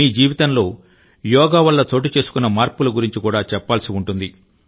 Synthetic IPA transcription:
iːd͡ʒiːʋit̪ɐnlo̞ː | jɔːɡaːʋɐlːɐt͡ʃo̞ːʈ̬it͡ʃe̞ːsu̥kunːɐmaːɾpulɐɡuɾiɲt͡ʃikuːɽaːt͡ʃɛpːaːlsiuɳʈund̪i

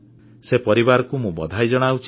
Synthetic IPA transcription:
sepɔɾibaɾɔkumũbɔ̰d̪ʱajd͡ʒɔɽ̃awt͡ʃʰ

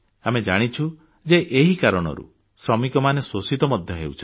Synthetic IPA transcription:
amed͡ʒaɽ̃it͡ʃʰu | d͡ʒeʔeɦikaɾɔɽ̃ɔ̰ɾṵ | sɾɔmikɔmanesosit̪ɔmɔd̪ʱjɔɦewt͡ʃʰɔ

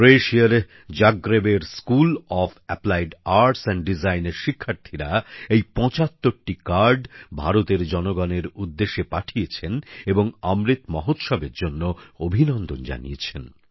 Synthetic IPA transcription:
ɾeʃiaɾ | d͡ʑaɡɾebeɾskulɔfɛplajɖaɾʈsɛɳɖizajneɾʃikʰːaɾt̪ʰiɾaejpɔ̃t͡ɕat̪ːoɾʈikaɾɖbʱaɾot̪eɾd͡ʑɔnoɡɔneɾud̪ːeʃepaʈʰijet͡ɕʰeneboŋamɾit̪mɔɦot̪ʃɔbeɾd͡ʑonːoobʱinɔnd̪ond͡ʑa̰nḭet͡ɕʰen

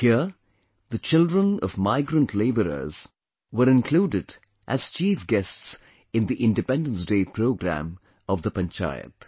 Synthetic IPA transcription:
hiə | ðət͡ʃɪldɹə̃nʌvmaɪɡɾə̃ntʰleɪbəɾə̰z̥ | wəɾɪ̃nkʰl̥uːdɪd | ʔæz̥t͡ʃiːfɡɛsts | ɪ̃nd̪iʔɪ̃ndɨpɛ̃ndə̃nsdeːpʰɾoʊɡɾæ̰̃m | ʌvðəpə̃nt͡ʃa̰ɪə̰t̪

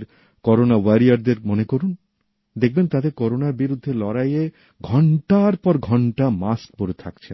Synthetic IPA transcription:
ɾ | kɔɾonawaɾiaɾd̪eɾmonekoɾun | d̪ek̚ʰbent̪ad̪eɾkɔɾonaɾbiɾud̪ʱːelɔɾaje | ɡʱɔɳʈaɾpɔɾɡʱɔɳʈamask̚poɾet̪ʰa̰kt͡ɕʰe

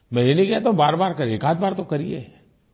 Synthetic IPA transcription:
mɛ̃enikat̪õbaːɾbaːɾkɐɾeːkaːt̪̚baːɾt̪okɐɾiḛ

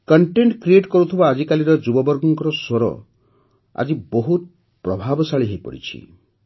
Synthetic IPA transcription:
kɔɳʈeɳʈkɾieʈkɔɾut̪ʰibaːd͡ʒikaliɾɔd͡ʒubɔbɔɾɡɔŋkɔɾɔsoɾɔ̰ | a̰d͡ʒiboɦut̪̚ | pɾɔbʱabɔsaɭiɦejpɔ̰ɾḭt͡ʃʰḭ

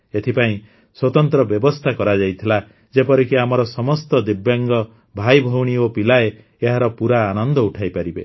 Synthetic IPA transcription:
et̪ʰipaĩ | swɔt̪ɔnt̪ɾɔbjɔbɔst̪ʰakɔɾad͡ʒajt̪ʰila | d͡ʒepɔɾikiamɔɾɔsɔmɔst̪ɔd̪ibjaŋɡɔ | bʱajbʱɔwɽ̃iopilae | eɦaɾɔpuɾaːnɔnd̪ʱɔuʈʰajpaɾibḛ

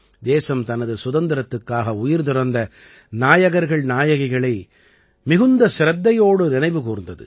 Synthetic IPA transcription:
d̪eːsɐmt̪ɐnɐðɯsʊðɐnd̪ɪɾɐt̪ːɯkːaːɣɐʊjɪɾt̪ɪɾɐnd̪ɐ | naːjɐɣɐɾɣɐɭnaːjɐɣɪɣɐɭɐɪ | mɪɣɯnd̪ɐsɪɾɐt̪ːɐjoːɽɯnɪnɐɪʋɯkuːɾɯnd̪ɐðɯ̰

